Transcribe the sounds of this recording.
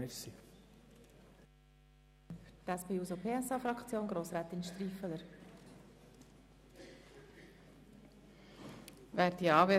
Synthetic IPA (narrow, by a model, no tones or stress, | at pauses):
ɛsi | tɛspeːuːzopʰeːɛsɑːfɾɑkt͡sjoːnɡɾoːsɾɛːt̪ɪnʃtɾiːfələɾ | væːɾdiɑːbe